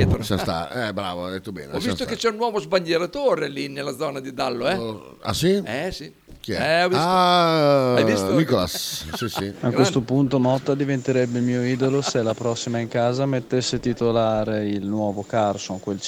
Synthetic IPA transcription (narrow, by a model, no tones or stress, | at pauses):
t̪ɾosast̪a̰ɛbɾa̰ːvoad̪et̪ːobɛ̰ːneɔvit̪oket͡ʃɛunːwɔːvozbaʎːeɾat̪oːɾelinelːad̪zɔːnad̪id̪alːoɛ | a̰siɛsi | kiɛɛɔisa | aist̪mikola̰sːisiakwest̪opunt̪omɔt̪ːad̪ivent̪eɾɛbːelmiːoiːd̪oloselːapɾɔsːimaiŋkaːzamet̪ːesːet̪it̪olaːɾeilnwɔːvokarsoŋkwel